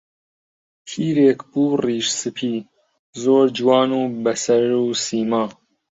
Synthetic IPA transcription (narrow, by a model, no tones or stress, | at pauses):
tʰiːɾeːkbuːriːʃsɨpʰiː | zoːɾd͡ʒwɑːnuːbɐsɐɾuːsiːmaː